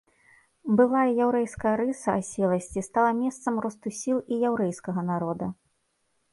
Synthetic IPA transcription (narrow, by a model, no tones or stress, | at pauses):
bɨlˠajɐjawɾɛjskɐjɐɾɨsɐasʲɛlˠɐsʲt͡sʲist̪alˠɐmʲɛst̪sɐmrɔst̪usʲilˠijawɾɛjskɐɣɐnaɾɔd̪ɐ